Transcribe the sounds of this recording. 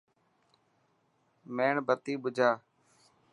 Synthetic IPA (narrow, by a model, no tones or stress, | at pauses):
meːɳbət̪iːɓʊd͡ʒʱaː